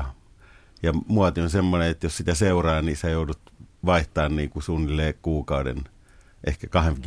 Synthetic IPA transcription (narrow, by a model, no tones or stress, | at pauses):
jɑmuɑt̪ionsemːoneet̪jossit̪æseurɑːniːsæjoˑudut̪ʋɑiht̪ɑːnniːŋkusuːnːilːeːkkuːkɑudḛn | ʔḛhkækɑhem